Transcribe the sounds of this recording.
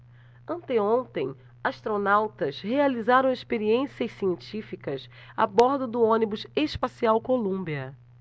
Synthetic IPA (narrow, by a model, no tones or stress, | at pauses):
ɐ̃nt̪eõnt̪ẽj̃ | aʃt̪ɾonawt̪ɐshealizaɾɐ̃w̃eʃpeɾiẽsiɐssiẽnt͡ʃifikɐs | a̰bɔɾd̪ʊd̪ʊõnibʊzespasiawkolũbiɐ